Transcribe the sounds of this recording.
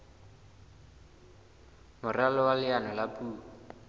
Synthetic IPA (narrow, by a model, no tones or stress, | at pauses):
mʊralɔwalɪanɔlapʼuː